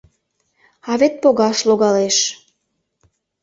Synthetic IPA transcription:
ɑβet̪̚poɣɑʃloɣɑleʃ

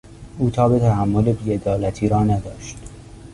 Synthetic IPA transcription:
uːt̪ʰɒːbe̞t̪ʰæhæmːolebiːed̪ɒːlæt̪ʰiːɾɒːnæd̪ɒːʃt̪

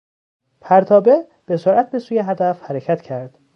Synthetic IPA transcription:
pʰæɾt̪ʰɒːbe̞ | b̥e̞soɾʔæt̪̚be̞suːjeɦæd̪æfhæɾecʰæt̪cʰæɾd̪̥

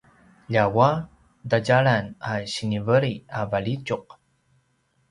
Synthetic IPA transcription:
ʎawa | daɟaɭanaɕiŋivəɾiavaɭit͡ʃuq̚

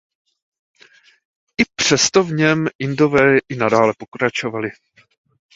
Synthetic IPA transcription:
ʔɪpr̝̥ɛst̪o̞vɲɛmʔɪndo̞vɛːʔɪnadaːlɛpo̞kɾat͡ʃo̞valɪ

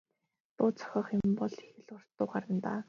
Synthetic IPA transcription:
t̪ʊːt͡sʰœ̥xʲɔːχempɔɮixɘ̆ɮʊr̥t̪ːʊːɢaɾə̆nt̪aː

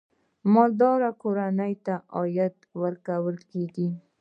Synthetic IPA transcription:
mɑd̪ɑɾakoɾanəjt̪aɑjat̪wəɾkawəlkeɡi

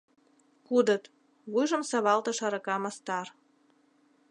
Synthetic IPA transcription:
kud̪ə̆t̪ | βujʒə̆msɑβɑlt̪ɤ̆ʃɑɾɤ̆kɑmɑst̪ɑr

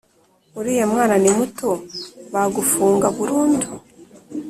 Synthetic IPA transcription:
uɾiːjemŋaːnanimutoβaɡufuːŋɡaβuɾuːndu

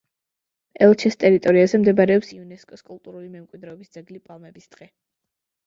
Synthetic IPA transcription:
ɛlˠt͡ʃʰɛst̪ʼɛɾit̪ʼɔɾiazɛmd̪ɛbaɾɛɔpsiunɛskʼɔskʼulˠt̪ʼuɾulimɛmkʼwid̪ɾɛɔbisd̪z̥ɛɡlipʼalˠmɛbisd̪̥ʁɛ

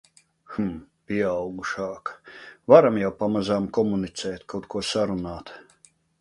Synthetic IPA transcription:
xmpʲiɛɑwɡuʃɑːkvaɾamjawpamazaːmkɔmunit̪sɛːt̪kʰawt̪kuɔsaɾunaːt̪

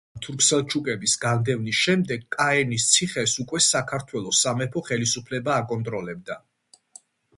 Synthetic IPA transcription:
t̪ʰuɾkʰsɛlˠt͡ʃʰukʼɛbisɡand̪ɛvnisʃɛmd̪ɛɡkʼaɛnist̪sʰiχɛsukʼwɛsakʰaɾt̪ʰwɛlˠɔsamɛpʰɔχɛlisupʰlɛbaːkʼɔnt̪ʼɾɔlɛbd̪a

